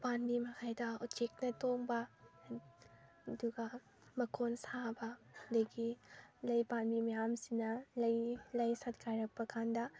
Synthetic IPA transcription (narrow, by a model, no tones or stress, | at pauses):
panbimɐkʰajdɐutt͡ʃek̚nɐtoŋbɐ | duɡɐ | mɐkʰonsabɐɐdɐɡilɐjpanbimɐjamsinɐlɐjlɐjsɐt̚ɡʰajɾɐk̚pɐkʰandɐ